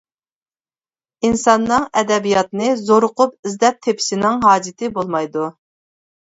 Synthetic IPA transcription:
insɑnːɨŋɛd̪ɛbijɑt̪nɨzoɾʊqʰʊpizd̪ɛp̚t̪ʰepʰɪ̥ʃinɪŋɦɑːd͡ʒɪt̪ʰɪbolˠmɑjd̪u

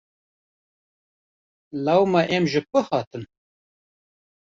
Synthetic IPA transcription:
lawmaʔemʒɨpɨhɑːt̪ɨn

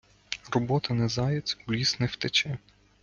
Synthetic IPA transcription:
rɔbɔt̪ɪnɛzɑjɛt͡sʲulʲisnɛwt̪et͡ʃɛ

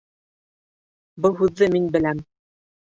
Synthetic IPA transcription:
bɤlˠɦʉðːɘminbɘ̆læm

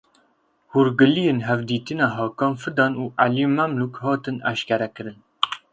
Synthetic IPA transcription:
huɾɡɨlijenɦɛvd̪iːt̪ɨnɑːɦɑːkɑːnfɨd̪ɑːnuːʔæljimæmlukhɑːt̪ɨnæ̰ʃkɛɾɛkɨɾɨn

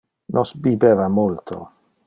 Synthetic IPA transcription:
nʔɔsbibɛːvamult̪ʰo̰

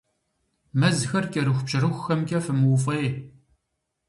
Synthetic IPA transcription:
mɐzxɐrkʲʼɐɾɨxʷpɕɐrɨxʷxɐmkʲʼɐfɨmɨwfʼej

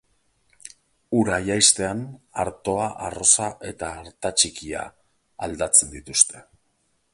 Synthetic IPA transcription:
uɾajajst̪e̞anaɾt̪o̞aʔaro̞saʔe̞t̪aːɾt̪at͡ʃikia̰ | ald̪at͡se̞nd̪it̪ust̪e̞

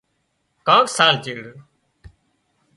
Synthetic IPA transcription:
kãːksaːlt͡ʃeːɽ

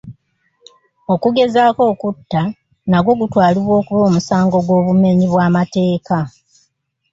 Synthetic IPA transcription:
o̞kuɡe̞zaːko̞ːkutːa | naɡo̞ɡutwaːliβwo̞ːkuβo̞ːmusaːŋɡo̞ɡwo̞ːβume̞ɲiβwaːmate̞ːka

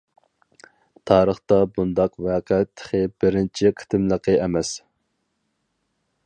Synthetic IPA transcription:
t̪ʰɑːɾəχt̪ɑbund̪ɑqvɛːqʰɛt̪ʰːə̥χəbɪɾɪnt͡ʃʰiqʰe̥t̪ɪmlˠəqʰəʔɛmɛs

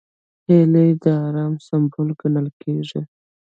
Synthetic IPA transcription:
helejd̪əɑɾɑmsambolɡanəlkeʐi

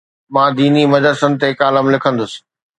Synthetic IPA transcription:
mãːd̪iːnimɐd̪əsənɪ̆t̪ekaːləmlɪkʰə̃nd̪ʊsɪ̥̆

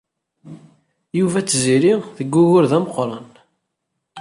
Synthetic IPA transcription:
juvæt͡sːziɾiðəɡːʊɣʊɾðæməqɾˤɑn

